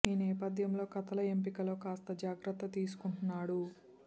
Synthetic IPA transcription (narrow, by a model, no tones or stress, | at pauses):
iːnɛːpɐd̪ʱjɐmlo̞ːkɐt̪ɐlɐempikɐlo̞ːkaːst̪ɐd͡ʒaːɡɾɐt̪ːɐt̪iːsu̥kuɳʈunːaːɽu